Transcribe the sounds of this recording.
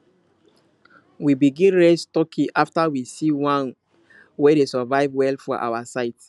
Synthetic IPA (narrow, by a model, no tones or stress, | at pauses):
wibiɡĩnɹestɔkʰĩʔaftawisiwãn | wɛdesəvaɪvwɛlfɔʔa̰wasaɪt